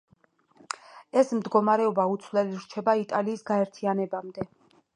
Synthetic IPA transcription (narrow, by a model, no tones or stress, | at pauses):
ɛsmd̪ɡɔmaɾɛɔbaut̪sʰvlɛliɾt͡ʃʰɛbait̪ʼaliːsɡaɛɾt̪ʰianɛbamd̪ɛ